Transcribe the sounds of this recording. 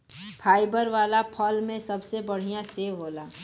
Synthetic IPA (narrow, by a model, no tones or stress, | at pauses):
pʰaːibəɾʋaːlapʰəlmẽsɐbsebəɽ̤ijãseːɦoːlaː